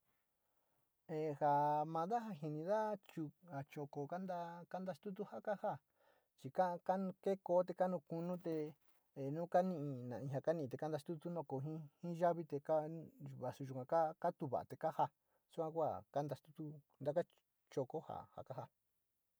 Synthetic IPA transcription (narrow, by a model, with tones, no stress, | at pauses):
e˨ha˨mã˧ða˦ɦa˧ɦi˧nĩ˧ða˦t͡ʃu˧a˨t͡ʃo˧˨ko˧ka˦nd̪a˦ka˦nd̪a˧st̪u˦t̪̬u˦ha˦ka˦ha˦˨ | t͡ʃi˧ka˦˧ka˦ñ˧ke˦koː˧˦t̪̬e˧ka˦nũ˧ku˧nũ˦t̪e˧ | e˨nũː˦ka˦nĩ˦ʔĩ˧nã˨ĩ˧˨a˧ka˦nĩ˦˧˨e˨ka˦nd̪a˧st̪u˦t̪u˦nõ˧˨ko˨ɦĩ˦hĩ˦ʒa˦βi˦t̪e˧ka˦βa˨su˧ʒu˨kʷã˧ka˦ka˦t̪u˧βa̰˨a̰˨t̪e˨ka˦ha˧ | su˦kʷã˧ku˦a̰˦˨ka˦nd̪a˧st̪u̥˦t̪u˦nd̪a˦ka˦ | t͡ʃo˧ko˦ha̰˨ha̰˨ka˦ha˧